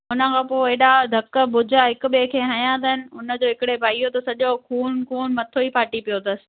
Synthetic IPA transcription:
ʊnə̆kʰãːpoeɗad̪ʱɐkəbʊd͡ʑʱaɦɪkʊɓekʰeːɦajãd̪ɐɦɪnɪ̆ʊnə̆d͡ʑoːɦɪkɪɽepaːiot̪ɐsɐʄokʰuːnkʰuːnmɐt̪ʰoipaːʈipijot̪ɐsɪ̥̆

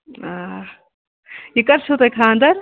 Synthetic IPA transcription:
a | jikɐɾt͡ʃʰut̪ɐkʰaːnd̪ɐɾ

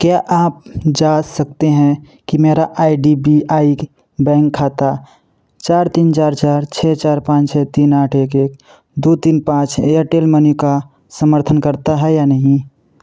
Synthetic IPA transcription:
kjaʔaːp̚d͡ʒasək̚t̪eɦɛ̃ | kimeɾaʔaiɖibiaik | bɛ̃ːŋkʰːat̪a | t͡ʃaːɾt̪iːnt͡ʃaːɾt͡ʃaːɾt͡ʃʰɛt͡ʃaːɾpãːt͡ʃʰɛt̪inaːʈʰekek | d̪ut̪iːnpãːt͡ʃəʈelmənika | səməɾt̪ʰənkəɾt̪aɦɛjanəɦĩ

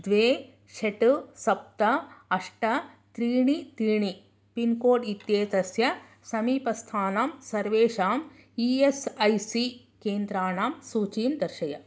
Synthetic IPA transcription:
d̪ʋeː | ʃeʈusɐp̚t̪ɐɐʂʈɐ | t̪ɾiːɳit̪ɾiːɳi | pinkoːʈit̪jeːt̪ɐsjɐ | sɐmiːpɐst̪ʰaːnaːmsɐɾʋeːʃaːm | iesɐjsi | keːnd̪ɾaːɳaːmsuːt͡ʃiːmd̪ɐɾʃɐjɐ

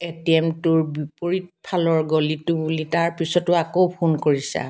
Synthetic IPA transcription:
etiɛmtuɹbipoɹit̚pʰalɔɹɡolitʊbulitaɹpisɔtʊakopʰunkoɹisa̰

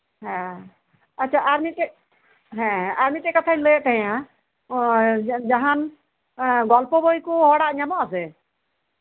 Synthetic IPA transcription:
ɦɛ̃ | atːt͡ʃʰaʔaɾmit̪ɛ | ɦɛ̃aɾmit̪ɛkɔt̪ʰajlət̪aɦjã | d͡ʒaɦan | ɡɔlpɔbɔjkɔɦɔɽaʔɲamɔasɛ

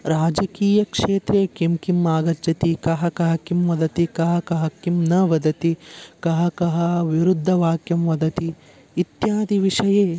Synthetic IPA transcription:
ɾaːd͡ʒɐkiːjɐkʂeːt̪ɾeːkimkimːaːɡɐd͡ʒɐt̪ikɐɦɐkɐɦɐkimʋɐd̪ɐt̪ikɐɦɐkɐɦɐkimnɐʋɐd̪ɐt̪ikɐɦɐkɐɦɐʋiɾud̪ʱːɐʋaːkjɐmʋɐd̪ɐt̪iː | t̪jaːd̪ʱiʋiʂɐjeː

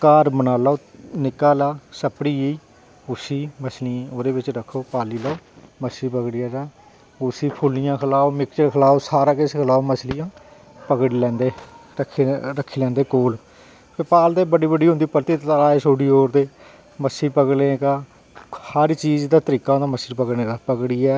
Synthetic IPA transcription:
kaːɾmənaːlaoːnɪkaːlaːsəpɽiːeiː | ʊsiːməslĩoːd̪eːbɪt͡ʃɾəkʰːoːpaːliːlaːoːməsiːpəɡɽɪjãːd͡ʒaː | ʊsiːpʰʊlɪjãːkʰəlaːoːmɪkt͡ʃəɾkʰəlaːoːsaːɾãːkeskʰəlaːoməslɪjãː | pəkɽilɛ̃ːnd̪eːəkʰːɾəkʰːiːlɛ̃ːnd̪eːkoːl | pʰeːpaːld̪eːbəɖiːbəɖiːɦʊ̃nd̪iːpəlt̪iːt̪ːlaːeːsoːɽiːɦoːɾd̪eː | məsiːpəkɽeːɡaː | həɾt͡ʃiːzd̪aːt̪əɾiːkaːɦõnd̪aːməsiɾpəɡɽneːɡaːpəkɽiːɛː

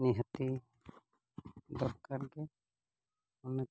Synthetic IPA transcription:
niɦət̪i | d̪ɔɾkaɾɡɛ | ɔnɛ

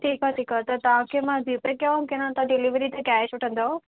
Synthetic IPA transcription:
ʈʰiːkaʈiːkat̪ɐt̪ɐʋ̤ãkʰeːmãbiːpɾkijãkɪnãt̪ãɖɪliʋɾit̪ekaːsʊʈʰə̃n̆d̪ao

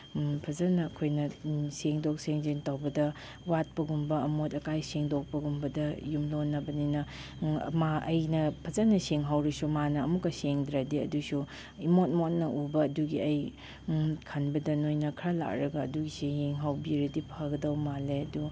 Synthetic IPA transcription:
pʰɐzanɐːkʰojnɐseŋdok̚seŋzentawbɐdɐ | wat̚pɐɡumbɐɐmotɐkajseŋdok̚pɐɡumbɐdɐjumlonːɐbɐninɐ̰ | maɐjnɐpʰɐzanɐseŋɦawɾisumanɐɐmukːɐseŋdɾadiɐ̰dusu | imot̚mot̚nɐʔubɐːduɡiɐj | kʰɐnbɐdɐnojnɐkʰɾala̰k̚ɾɐɡɐːduɡisejeŋɦawbiɾɐdipʰaɡɐdɐwmaleɐdu

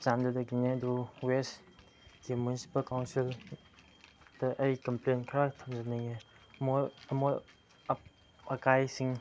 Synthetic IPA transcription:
t͡ʃandɐdɐɡineduwes | ɡimunisi̥pɐlkawnsil | d̥ɐʔɐjkɐmplenkʰɾatʰɐmd͡ʒanaŋemoɾɐmoɾ | ɐp | ɐkajsiŋ

